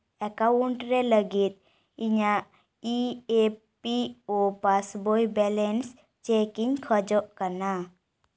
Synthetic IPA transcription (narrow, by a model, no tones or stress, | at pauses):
ɛkauɳʈɾɛləɡit̪̚ | iɲa | ie | piopasbojbɛlɛns | t͡ʃekiɲkʰəd͡ʒɔʔkəna